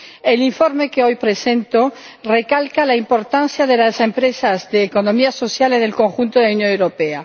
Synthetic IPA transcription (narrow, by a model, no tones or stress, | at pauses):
eliɱfoɾme̞keojpɾesent̪o | rekalkalaimpo̞ɾt̪an̟θjaðe̞lasempɾesazðeːkonõmiaso̞θjalenelko̞ŋxunt̪oðeaunjonewɾopea